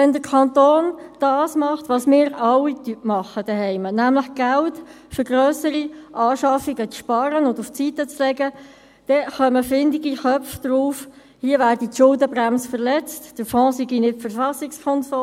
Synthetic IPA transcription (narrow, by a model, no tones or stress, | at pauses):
ʋɛndəɾkʰɑnt̪oːnd̥ɑːsmɑχtʋɑːsmɪːɾɑwitypmɑχəd̥ɛɦɛɪmənæmləχɡ̥ælt | fʏɾɡʁœːsəɾiʔɑːʃɑfiɡət͡sʃpɑɾənʊnduft͡sitət͡slɛɡə | d̥ɛχœməfɪndɪɡiχœfd̥ɾuːf | hiəʋæːɾdətʃʊldəbʁæmsfəʁlɛt͡std̥əfɔ̃ːsiɡinɪfəɾfɑsɪkskʰɔnsɔ